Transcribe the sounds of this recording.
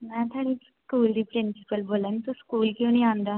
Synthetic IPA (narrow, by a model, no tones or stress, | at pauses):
mɛ̃ːt̪ʰaːɽ̃iskuːld̪iːpɾɪ̃nsɪ̥pəlboːlənit̪oskuːlkjõːnĩːãːnd̪aː